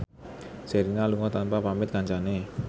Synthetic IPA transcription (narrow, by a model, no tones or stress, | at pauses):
seɾinaluŋɔt̪anpapamɪt̪̚kaɲt͡ʃane